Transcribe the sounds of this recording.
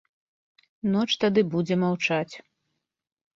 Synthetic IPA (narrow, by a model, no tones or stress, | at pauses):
nɔt͡ʂt̪ad̪ɨbud͡zʲɛmawt͡ʂat͡sʲ